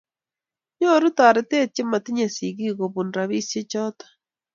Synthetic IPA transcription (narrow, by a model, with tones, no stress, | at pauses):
ɲo˦ɾu˦ta˨ɾe˨te˦t͡ʃe˦ma˨ti˦ɲa˨si˨ɣi˦ɣo˨βu˨nɾa˨βi˦se˦t͡ʃɔ˦tḁ